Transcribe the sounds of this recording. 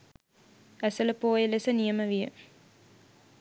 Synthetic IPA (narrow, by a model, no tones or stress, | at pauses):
æsələpoːjəlesənijəməʋijə̰